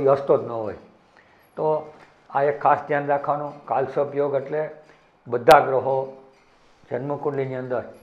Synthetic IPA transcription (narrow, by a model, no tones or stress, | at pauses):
iɦəst̪od̪nəɦo̰j | t̪o | aekʰːasd̪ʱjand̪akʰanõkalsəbjoɡeʈle | bəd̪ʱaɡɾəɦo | d͡ʒənməkuɳliniənd̪əɾ